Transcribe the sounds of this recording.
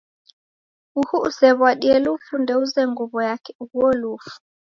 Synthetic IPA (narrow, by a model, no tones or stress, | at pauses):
uhuusɛβwaɗiɛlufundɛuzɛŋɡuβɔjakɛ̥uhuɔlufu̥